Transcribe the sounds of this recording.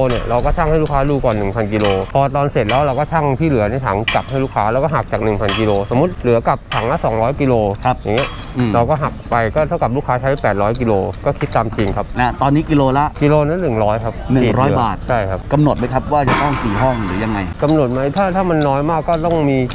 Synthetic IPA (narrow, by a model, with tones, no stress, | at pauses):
ni˧˥˩ɐɾa˧wkɔː˥˩t͡ɕʰa˥˩ŋha˥˩jluː˥˩kʰaː˦˥duː˧kɔː˨˩nɯ˨˩ŋpʰa˧nki˧loː˧pʰɔː˧t̪ɔː˧nse˨˩t̪̚lɛː˦˥wɾa˧wkɔː˥˩t͡ɕʰa˥˩ŋt̪ʰiː˥˩lɯ˨˩˦ni˧˥˩t̪ʰa̰ː˩˦ŋka˨˩p̚a˥˩jluː˥˩kʰaː˦˥lɛ˧˦˥wkɔː˥˩ɦa˨˩k̚t͡ɕaː˨˩k̚nɯ˨˩ŋpʰa˧nki˧loː˧so˩˦mːu˦˥t̪̚lɯ˨˩˦ɐka˨˩p̚t̪ʰa˩˦ŋla˦˥sɔː˩˦ŋɾɔː˦˥jki˧loː˧a˦˥p̚ja˨˩ŋi˦˥ɐ˩ | ɾa˧wkɔː˥˩ɦa˨˩k̚pa˧jkɔː˥˩t̪ʰa˥˩ka˨˩p̚luː˥˩kʰaː˦˥t͡ɕʰa˦˥ja˥˩pɛː˨˩t̪̚ɾɔː˦˥jki˧loː˧kɔː˥˩kʰi˦˥t̪ːaː˧mt͡ɕi˧ŋkʰa˦˥p̚lɛ˦˥t̪ɔː˧nːiː˦˥ki˧loː˧la˦˥ʔki˧loː˧na˦˥nɯ˨˩ŋɾɔː˦˥jkʰa˦˥p̚nɯ˨i˨˩ŋɾɔː˦jbaː˨˩t̪̚t͡ɕʰa˥˩jkʰa˦˥p̚ka˧mno˨˩t̪̚ma˦˥jkʰa˦˥p̚waː˥˩t͡ɕa˨˩t̪ɔ˥˩ŋsiː˨˩ɦɔ˥˩ŋ˨˩lɯ˨˩˦ja˧ŋːa˧jka˧mno˨˩t̪̚ma˦˥jt̪ʰaː˥˩t̪ʰaː˥˩ma˧nːɔː˦˥jmaː˥˩kːɔː˥˩t̪ɔ˥˩ŋmiː˧